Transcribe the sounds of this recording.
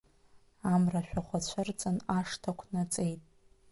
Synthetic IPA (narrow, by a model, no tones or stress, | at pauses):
amraʃᶣaχʷat͡ɕʷʰʊrt͡sʼɨnaʂtʰakʷʰnat͡sʼe̞jtʼ